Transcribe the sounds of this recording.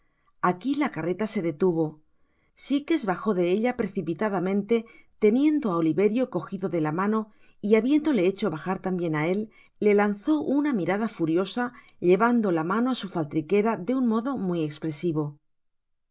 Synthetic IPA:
akilakare̞t̪ase̞ðe̞t̪uβ̞o̞ | sike̞zβaxo̞ðe̞e̞ʎapɾeθipit̪aðamẽ̞nt̪e̞t̪e̞nje̞nd̪o̞ao̞liβe̞ɾjo̞ko̞xiðo̞ðe̞lamano̞ | iaβje̞nd̪o̞le̞e̞t͡ʃo̞βaxaɾt̪ambje̞nae̞lː | e̞lan̟θo̞ʔunamiɾað̞afuɾjo̞sa | ʎe̞βand̪o̞lamanoasufalt̪ɾike̞ɾaðe̞unmo̞ðo̞mwie̞kspɾe̞siβ̞o̞

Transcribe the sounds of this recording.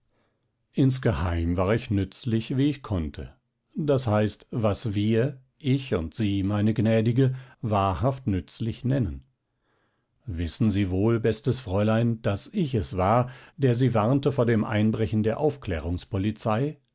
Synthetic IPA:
ʔɪnsɡ̥əhaɪmvaːɐɪçnʏt͡slɪçviːɪçkʰɔntʰə̰ | d̥ashaɪstvasviːɐ | ʔɪçʊ̰ntz̥iːmaɪnəɡnɛːdɪɡəvaːɐhaftnʏt͡slɪçnɛnən | vɪsn̩ziːvoːlbɛstəsfʁ̥ɔʏlaɪnd̥asɪçɛsv̥aːɐd̥eːɐziːvaʁntəfoːɐdeːmʔa̰ɪnbʁɛçn̩deːɐʔaʊfklɛ̰ːʁ̞ʊŋspɔlit͡saɪ

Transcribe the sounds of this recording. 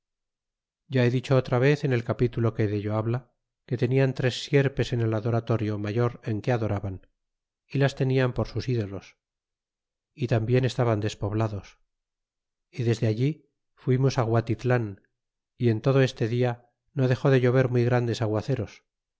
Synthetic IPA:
ɟ͡ʝae̞ðit͡ʃo̞ot̪ɾaβ̞e̞θe̞ne̞lkapit̪ulo̞ke̞ðeʎo̞aβla | ke̞t̪e̞niant̪ɾe̞sːje̞ɾpe̞se̞ne̞laðo̞ɾat̪o̞ɾjo̞maʝo̞ɾe̞ŋke̞aðo̞ɾaβan | ilast̪e̞niampo̞ɾsusiðo̞lo̞s | it̪ambje̞ne̞st̪aβand̪e̞spo̞βlaðo̞s | iðe̞zðeaʎi | fwimosaɣwat̪it̪lan | ie̞nt̪o̞ð̞o̞e̞st̪e̞ðia | no̞ðe̞xo̞ðe̞ʝo̞β̞e̞ɾmwujɣɾand̪e̞saɣwaθe̞ɾo̞s

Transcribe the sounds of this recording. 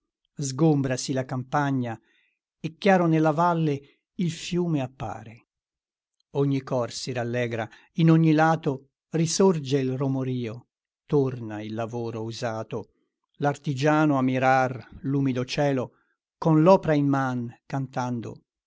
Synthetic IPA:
zɡombɾasilakampaɲːa | ekːjaːɾonelːavalːe | ilfjuːmeapːa̰ːɾe | oɲːikɔrsiɾalːɛːɡɾa | inoɲːilaːt̪o | risord͡ʒeilromoɾiːo | t̪ornailːavoːɾouzaːt̪o | lart̪id͡ʒaːnoamːiɾarluːmid̪ot͡ʃɛːlo | konlɔːpeɾaimːankant̪and̪o̰

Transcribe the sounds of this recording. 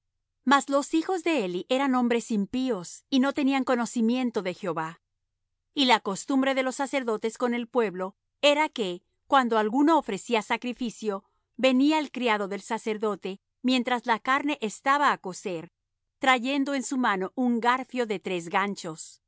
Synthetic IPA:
mazlo̞sixo̞zðe̞eliʔe̞ɾanõ̞mbɾe̞simpio̞sino̞t̪eniaŋko̞no̞simje̞nt̪o̞ðe̞xjo̞βa | ilako̞st̪umbɾe̞ðelo̞sːase̞ɾðo̞t̪e̞sko̞ne̞lpwe̞βlo̞ | e̞ɾake̞ | kwand̪oalɣuno̞ːfɾe̞siasakɾifisjo̞ | βe̞niaelkɾijaðo̞ðe̞lsase̞ɾðo̞t̪e̞ | mje̞nt̪ɾazlakaɾne̞ʔest̪aβaːko̞se̞ɾ | t̪ɾaʝe̞nd̪o̞e̞nsumano̞ʔuŋɡaɾfjo̞ðet̪ɾe̞z̬ɣant͡ʃo̞s

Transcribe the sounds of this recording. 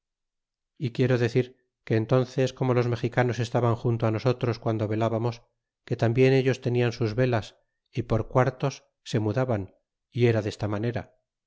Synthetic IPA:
ikje̞ɾo̞ðe̞θiɾ | ke̞ːnt̪o̞nθe̞sko̞mo̞lo̞zme̞xikano̞se̞st̪aβaŋxunt̪oano̞so̞t̪ɾo̞skwand̪o̞βe̞laβamo̞s | ke̞t̪ambje̞ne̞ʎo̞st̪e̞niansuzβe̞las | ipo̞ɾkwaɾt̪o̞sː | e̞muðaβan | ie̞ɾaðe̞st̪amane̞ɾa

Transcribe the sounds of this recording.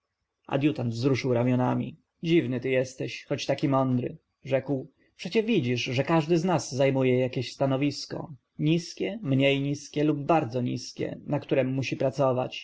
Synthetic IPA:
ʔa̰d̪ʲjut̪and̪vzɾuʂɘwɾamʲjɔnamʲḭ | d͡ʑivnɘt̪ɘjɛst̪ɛɕxɔt͡ɕt̪akʲimɔnd̪ɾɘ̰ | ʐɛkw | pʂɛt͡ɕɛvʲid͡ʑiʂʐɛkaʐd̪ɘznazːajmujɛjakʲeɕst̪anɔvʲiskɔ̰ | ɲiskʲɛmɲejɲiskʲɛlub̚ːaɾd̪zɔɲḭskʲɛ̰nakt̪uɾɛmːuɕipɾat̪sɔva̰t͡ɕ

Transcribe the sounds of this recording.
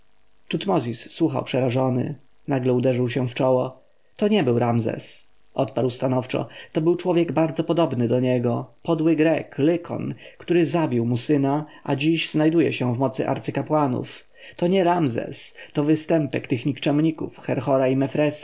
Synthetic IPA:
t̪ut̪mɔzʲisːwuxa̰wpʂɛɾaʐɔnɘ̰ | naɡlɛud̪ɛʐɘwɕɛft͡ʂɔwɔ | t̪ɔɲɛbɘwɾamzɛ̰s | ʔɔt̪paɾwst̪anɔft͡ʂɔ̰t̪ɔbɘwt͡ʂwɔvʲjɛɡbaɾd̪zɔpɔd̪ɔbnɘd̪ɔɲɛɡɔpɔd̪wɘɡɾɛklɘkʰɔ̰nkt̪uɾɘzabʲiwmusɘnaʔa̰d͡ʑiʑznajd̪ujɛ̰ɕɛ̃vmɔt̪sɘʔa̰ɾt̪sɘkapwanṵf | t̪ɔɲɛɾamzɛ̰st̪ɔvɘst̪ɛmpɛkt̪ɘxɲikt͡ʂɛmɲikṵfxɛɾxɔɾaimɛfɾɛsḁ

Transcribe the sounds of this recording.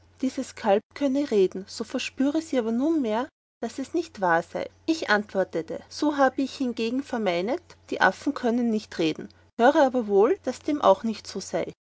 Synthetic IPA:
d̥iːzəskʰalp̚kʰœnəʁeːdn̩z̥oːfɛɐʃpyːʁəz̥iːaːbɐnuːnmeːɐ | d̥asɛsnɪçtv̥aːɐza̰ɪʔɪçʔantv̥ɔɐtətə̰z̥oːɦaːbəɪçhɪnɡeːɡŋ̩fɛɐmaɪnətd̥iːʔa̰fn̩kʰœnənːɪçtʁeːdn̩ | høːʁəaːbɐvoːld̥asd̥eːmʔa̰ʊxnɪçtz̥oːz̥aɪ

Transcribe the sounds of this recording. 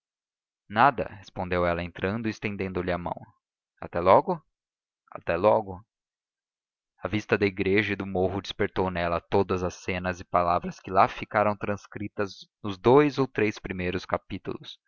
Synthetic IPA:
nad̪ɐ̰hespõnd̪ewɛlɐẽnt̪ɾɐ̃nd̪ʊist̪ẽnd̪ẽnd̪ʊlɪamɐ̰̃w̃ | a̰t̪ɛlɔɡʊ | a̰t̪ɛlɔɡʊ | ɐvist̪ɐd̪ɐiɡɾeʒɐid̪ʊmoɦʊd͡ʒispeɾt̪ownɛlɐt̪od̪ɐzɐsẽnɐzɪpalavɾɐskɪlafikaɾɐ̃w̃t̪ɾɐ̃skɾit̪ɐznʊzd̪ojzowt̪ɾespɾimejɾʊskapit̪ṵlʊs

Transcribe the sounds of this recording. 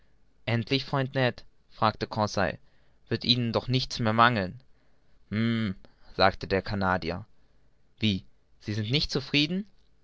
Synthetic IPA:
ʔɛntʰlɪçfʁ̥ɔʏntnɛt | fʁ̥aːktəkʰɔsa̰ɪ | v̥ɪɐtʔiːnəndɔχnɪçt͡smeːɐmaŋl̩n | m̩z̥aːktədeːɐkʰanaːdiɐ̰ | viː | z̥iːzɪntnɪçtt͡sufʁ̥iːdn̩

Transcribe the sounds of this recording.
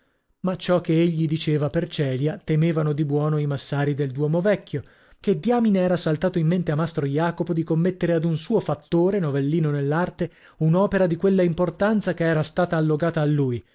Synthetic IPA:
mat͡ʃɔkːeeʎːid̪it͡ʃeːvapert͡ʃɛːljat̪emeːvanod̪ibwɔːnoimasːaːɾid̪eld̪wɔːmovɛkʰːjo | k̟ed̪jaːmineɛːɾasalt̪aːt̪oimːent̪eamːast̪ɾojaːkopod̪ikomːet̪ːeɾead̪unsuːofat̪ːoːɾenovelːiːnonelːart̪e | unɔːpeɾad̪ikwelːaimport̪ant̪sakeɛːɾast̪aːt̪aːlːoɡaːt̪aːlːuːj

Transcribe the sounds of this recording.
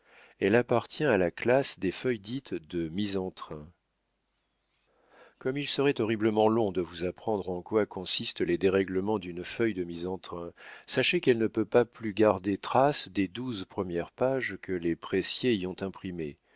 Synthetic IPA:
ɛlapaʁt̪jɛ̃alaklasd̪efœjd̪it̪d̪əmizɑ̃t̪χɛ̃ | kɔmilsəʁɛt̪ɔʁibləmɑ̃lɔ̃d̪əvuzapχɑ̃d̪ʁɑ̃kwakɔ̃sist̪led̪eʁɛɡləmɑ̃d̪ynfœjd̪əmizɑ̃t̪χɛ̃saʃekɛlnəpøpaplyɡaʁd̪et̪χasd̪ed̪uzpχəmjɛʁpaʒkəlepχesjeiɔ̃t̪ɛ̃pχime

